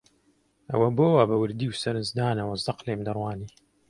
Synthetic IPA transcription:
ʔɐ̰wɐboːwabɐwɨɾd̪iːwsɐɾɨnzd̪aːnɐwɐzɑqleːmd̪ɐrˤwaːniː

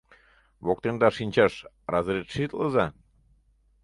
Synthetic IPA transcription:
βok̚t̪end̪ɑʃinʲt͡ɕɑʃ | rɑzəɾet̪ʃit̪ləzɑ

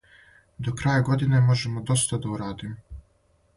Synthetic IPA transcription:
d̪okɾaːjaɡo̞d̪ine̞mo̞ʒemod̪o̞st̪ad̪auɾaːd̪imo

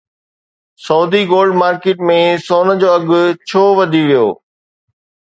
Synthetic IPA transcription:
sɐːd̪ʱiɡoːlɖmaːɾkeːʈmẽsoːnə̆d͡ʑoːɐɡʊ̆t͡ɕʰoːʋɐd̪ʱiʋijo̰ː

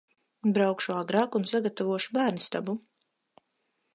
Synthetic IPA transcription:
bɾawkʃuaɡɾaːkunsaɡat̪avuɔʃubæːɾnist̪abu

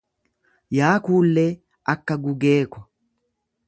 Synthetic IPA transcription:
jaːkuːlːe | ʔɐkːɐɡʊɡeːkːɔ

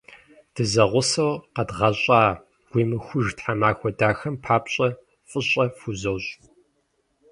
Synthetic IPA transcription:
d̥ɨzɐʁʷʊsɐwqɐdʁɐɕʼaː | ɡ̥ʷiːmɨxʷʊʒtħamaːxʷɔdaːxɐmpʰaːpɕʼɐ | fʼɨɕʼɐfuzɐwɕʼ

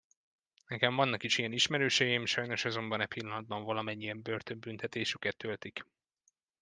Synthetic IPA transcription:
nɛkɛɱvɒnːɒkiʃijɛniʃmɛɾøːʃɛjimʃɒjno̞ʃɒzo̞mbɒnɛpilːɒnɒd̪̚bɒɱvɒlɒmɛɲːijɛmbørt̪ømbynt̪ɛt̪eːʃykɛt̪ːølt̪ik

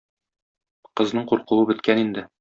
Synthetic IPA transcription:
qɤ̆znɤɴquɾqŭwɤbɘ̆t̪kænind̪ɘ

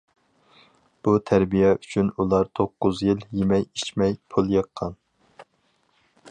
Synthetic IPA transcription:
b̥ut̪ʰæɾbijɛʔyt͡ʃʰynulˠɑɾt̪ʰoqːʊzjiljemɛjit͡ʃmɛjpʰulˠjɑqʰːɑn

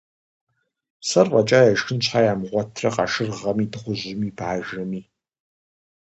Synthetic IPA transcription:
sɐrvʼɐt͡ʃʼaːjaʃɨnt͡ʃʷʰħajaːmʁʷɔtʰrɐqʼa̰ʂɨrʁɐmidʁʷʊʑɪmibʕaːʒɐmiː

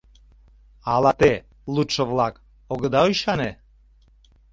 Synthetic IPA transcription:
ɑlɑt̪e | lut̪ʃə̆βlɑk | oɣə̆d̪ɑojʃɑne

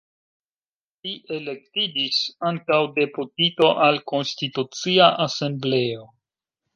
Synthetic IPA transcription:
liʔe̞le̞ktid͡ʒisaŋtawde̞putito̞ʔalko̞nstitut͡siaʔase̞mble̞o̞

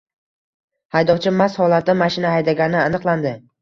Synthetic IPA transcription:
hajd̪ɒwt͡ʃʰɪmashɒlˠat̪̚ːamaʃɪnahajd̪aɡʲanɪanɨqlˠand̪ɪ

